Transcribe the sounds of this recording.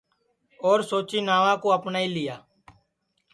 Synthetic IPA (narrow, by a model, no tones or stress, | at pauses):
oːɾsoːt͡ʃiːnaːʋãːkoːəpnaːiːlɪjaː